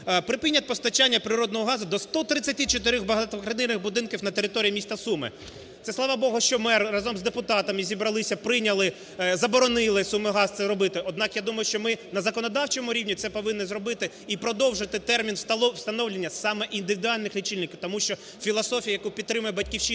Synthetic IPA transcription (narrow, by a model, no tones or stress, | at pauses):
pɾɪpɪnʲːɐt̪̚ʲpɔst̪ɐt͡ʃanʲːɐpɾɪɾɔd̪nɔɦɔɦɑzʊd̪ɔst̪ɔt̪ɾɪt͡sʲːɐtʲit͡ʃɔt̪ɪɾʲɔɣbɐɦɐt̪ʋɐkɾɐnɪnɪxbʊd̪ɪnkʲiwnɐt̪eɾɪt̪ɔɾʲiːmʲist̪ɐsumɪ̰ | t̪sɛslˠɑʋɑbɔɦʊʃt͡ʃɔmɪːɐzɔmzd̪epʊt̪ɑt̪ɐmɪzʲibɾɐlˠɪsʲɐpɾɪnʲɐlˠɪ | zɐbɔɾɔnɪlˠɪsumɪɦɑzt̪ɛɾɔbɪt̪ɪʔɔd̪nɑkjad̪umɐjʊʃt͡ʃɔmɪnɐzɐkɔnɔd̪ɑwt͡ʃɛmʊɾʲiwnʲit̪sɛpɔʋɪnːɪzɾɔbɪt̪ɪ | ipɾɔd̪ɔwʒɪt̪ɪt̪ɛrmʲinˠw̥st̪ɐnɔwlʲenʲːɐsɑmɛʔind̪ɪʋʲɪd̪ʊɑlʲnɪxlʲit͡ʃɪlʲnɪkʲiwt̪ɔmuʃt͡ʃɔ | fʲilˠɐsɔfʲijɐjɐkupʲid̪t̪t̪ːɾɪmʊjɛbɐt̚ʲkʲiwʃi